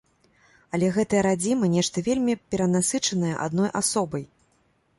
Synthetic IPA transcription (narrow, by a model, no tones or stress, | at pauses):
ɐlʲɛɣɛt̪ɐjɐɾad͡zʲimɨnʲɛʂt̪ɐvʲelʲmʲipʲɛɾɐnasɨt͡ʂɐnɐjɛ̰ʔa̰d̪nɔjʔasɔbɐj